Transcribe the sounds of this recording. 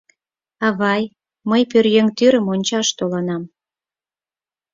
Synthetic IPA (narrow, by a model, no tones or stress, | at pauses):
ɑβɑj | məjpørjøŋt̪yɾəmonʲt͡ɕɑʃt̪olɑnɑm